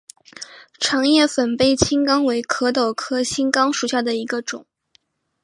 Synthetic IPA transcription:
ʈ͡ʂʰɑ˧˥ŋjɛ˥˩fə˨˩npe˥˩ɪt͡ɕʰi˥ŋkɑ˥ŋwe˧˥ɪkʰɤ˧˥t̪o˨˩ʊkʰɤ˥t͡ɕʰi˥ŋkɑ˥ŋʂu˨˩ɕja˥˩d̪ə˩i˧˥ɡə˧ʈ͡ʂʊ̰˨˩˦ŋ

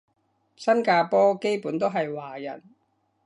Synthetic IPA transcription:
sɐ˥nkaː˧pɔː˥ke˥jpuː˨˥nt̪o˥wɦɐ˨jwaː˨˩jɐ̰˨˩n

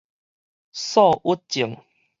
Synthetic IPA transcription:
sɔ˥˧ʔu˦˥t̚t͡ɕi˨˩˦ŋ

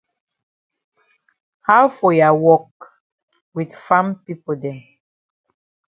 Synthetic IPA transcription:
ha˦fɔ˨ja˨wɔ˦k | wi˨dfã˦mpi˦po˨dɛ˨

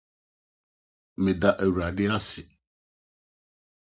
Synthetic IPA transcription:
mɪ̃˨d̪a˨ʔe˨wu˨ɾa˨ɖɪ˦a˦sɪ˨

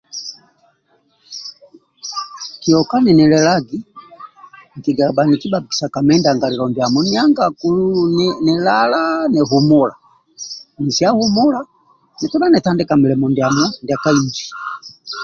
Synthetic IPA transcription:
kiɔka˦nɛ˨nɛ˨lɛlaɡi˦ | ŋ̩˨kiɡabani˨ki˦babi˨sa˨ka˨mɛ˦nda˨ŋɡa˨ɾi˨lɔmbja˨mɔ˦ni˦a˦ŋɡakuunnɛlalanɛ˨ɦumula̰˨ | ni˨sia˦hu˦mu˦la˦ | nɛ˨tu˦na˦nɛ˨ta˦ndɛ˦kamɛlɛmɔndjamɔ˦nda˨ka˦iɲd͡ʒi˨

